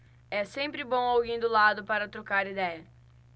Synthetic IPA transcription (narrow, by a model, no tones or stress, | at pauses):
ɛsẽpɾɪbõw̃awɡẽj̃d̪ʊlad̪ʊpaɾɐt̪ɾokaɾid̪ɛjɐ